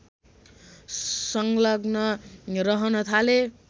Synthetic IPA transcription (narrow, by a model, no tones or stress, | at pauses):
sʌŋlʌɡnʌɾʌɦʌnʌt̪ʰale